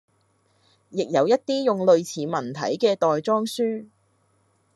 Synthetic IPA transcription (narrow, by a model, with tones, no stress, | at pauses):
jɪ˨k̚jɐ˨˧wjɐ˥t̚t̪iː˥jʊ˨ŋlɵ˨˧ɥt͡sʰiː˨˥mɐ˨˩nt̪ʰɐ̰˨˥jkɛː˧t̪ɔː˨jt͡sɔː˥ŋsyː˥